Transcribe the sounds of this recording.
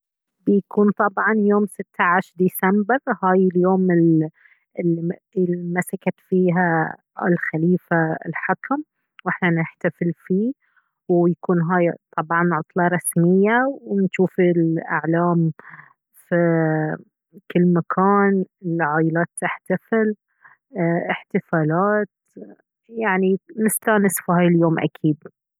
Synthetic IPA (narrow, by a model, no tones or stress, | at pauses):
bjakuːnt̪ˤɑbʕɑnjoːmsɪt̪ːaʕaʃɾd̪isambɪɾhaːjɪljoːmɪl | ɪlːiɪlmasakat̪fiːɦa | ɪ̰lxaliːfaɪ̰lħakam | wʔɪħnanɪħt̪afɪlfiː | wjakuːnɦaːjt̪ˤʰɑbʕɑnːʕɑt̪ˤlɑɾˤɑsmɪjːawnʃuːfilʔa̰ʕlaːm | fi | kɪlːmakʰaːnɪlʕaːjɪlaːt̪ːaħt̪afɪl | ʔɪħt̪ɪfaːlaːt̪ | jaʕninɪst̪aːnɪsfiɦaːjɪljoːmʔa̰kʰiːd̪̚